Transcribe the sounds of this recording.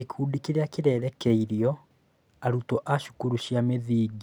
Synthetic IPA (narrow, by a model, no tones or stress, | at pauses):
ikʰuːdikiɾeakiɾɛːɾɛkeiɾijɔ | aɾutɔʔaʃu̥kuɾuʃiameðiːɡi